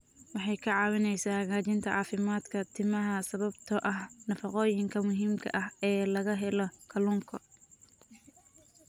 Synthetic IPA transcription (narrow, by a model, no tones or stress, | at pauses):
wɑħɑjkʰɐʕɑːwɪnɛjsaːɣaːt͡ʃɪnt̪ʰɐʕɑːfɪmaːd̪kʰɐt̪ʰɪmɐɦɐsɐβɐbt̪ʰɔʔɐhnɐfɑqɔːjɪŋkʰɐmʊɦiːmkʰɐ̰ʔɐhɛːlɐɣɐɦɛlɔkʰɐlʊŋkʰɔ